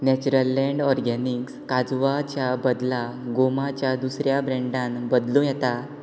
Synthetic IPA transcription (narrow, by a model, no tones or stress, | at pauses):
nɛt͡ɕuɾəlːɛ̃ɳɖɔɾɡɛnikskad͡zʋat͡ɕjabəd̪laɡomat͡ɕjad̪usɾjabɾɛ̃ɳɖãnbəd̪lũjɛt̪a